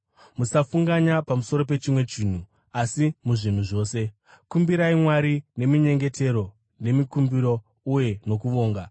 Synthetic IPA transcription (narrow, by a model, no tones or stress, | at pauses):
musafuŋɡaɲapamuso̞ɾo̞p̬e̞t͡ʃimwe̞t͡ʃiːn̤u | asimuʐin̤uʐo̞ːse̞ | kumbiɾaimwaɾine̞miɲe̞ŋɡe̞tʰe̞ɾo̞ | ne̞mikumbiɾo̞ | uje̞no̞kuʋo̞ːŋɡa